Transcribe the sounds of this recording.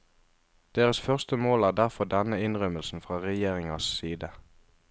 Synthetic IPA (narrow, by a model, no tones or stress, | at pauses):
d̪̥eːʁəsfœʁst̪əmoːlæːʁd̪æʁfɔd̪ɛnəɪnʁœməlsn̩fʁɑːʁɛjeːʁɪŋɑssiːd̪ə